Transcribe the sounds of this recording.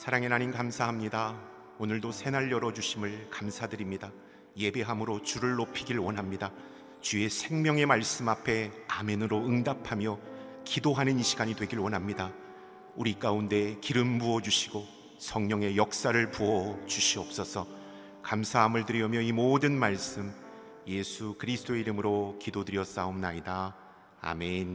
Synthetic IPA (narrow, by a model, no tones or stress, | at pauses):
sʰaɾaŋenaɲinkamsʰaɦamɲida | onɯɭdosʰe̞naʎjʌɾʌd͡ʑuɕʰimɯɭkamsʰadɯɾimɲida | je̞be̞ɦamɯɾot͡ɕuɾɯɭːopʰiɡiɭwʌnɦamɲida | t͡ɕue̞sʰe̞ŋmjʌŋe̞maɭs͈ɯmapʰe̞amenɯɾoɯŋdapʰamjʌkidoɦanɯniɕʰiɡaɲidwe̞ɡiɭwʌnɦamɲida | uɾik͈aunde̞kiɾɯmbuʌd͡ʑuɕʰiɡo | sʰʌŋɲʌŋe̞jʌk̚s͈aɾɯɭpuʌt͡ɕuɕʰiʌp̚s͈ʌsʰʌ | kamsʰaɦamɯɭtɯɾiʌmjʌimodɯnmaɭs͈ɯm | je̞sʰukɯɾisʰd̥͈oeiɾɯmɯɾokidodɯɾjʌs͈aomnaida | a̰men